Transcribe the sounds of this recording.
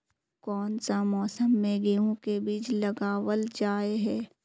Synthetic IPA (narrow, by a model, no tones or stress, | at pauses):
kɔːnsamɔːsəmːẽɡeõkebiːt͡ʃlɐɡaːwəld͡ʒaːeɦɛː